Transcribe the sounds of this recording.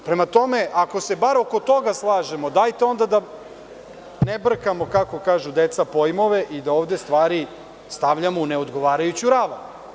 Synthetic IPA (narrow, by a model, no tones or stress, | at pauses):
pɾe̞mat̪o̞me̞ʔako̞se̞baɾo̞ko̞t̪o̞ɡaslˠaːʒemo̞d̪ajt̪eo̞nd̪ad̪a | nebr̩kamo̞kako̞kaːʒud̪et̪sapo̞jmo̞ʋe̞ʔid̪aoːʋd̪est̪ʋaːɾi | st̪aʋʎamouneo̞d̪ɡo̞ʋaːɾajut͡ɕuɾaʋa